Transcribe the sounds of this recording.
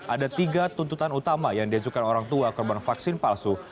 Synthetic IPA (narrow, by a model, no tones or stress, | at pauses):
ʔadat̪iɡat̪unt̪ut̪anut̪amajaŋdiad͡ʒukanoɾaŋt̪uakɔrbanfaksɪnpalsu